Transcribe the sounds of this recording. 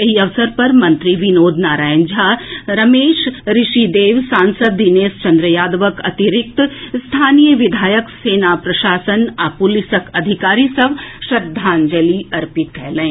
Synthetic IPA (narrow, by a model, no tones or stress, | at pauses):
jɐɦiɐʋsəɾpɐɾmɐ̃nt̪ɾiʋɪnoːd̪naːɾaːə̃nd͡ʒʱaɾɐmeːʃɾɪʃid̪eːʋsãːnsəd̪̚ːineːst͡ʃɐ̃nd̪ɾəjaːd̪ʋəkɐ̰t̪ɪɾɪk̚t̪st̪ʰaːnijəʋɪd̪ʱaːjəkseːnapɾɐʃaːsənaːpulɪsəkɐd̪ʱɪkaːɾisɐʋʃɐd̪ʱːaːnd͡ʒəliɐɾpɪt̪̚kɛɦlẽː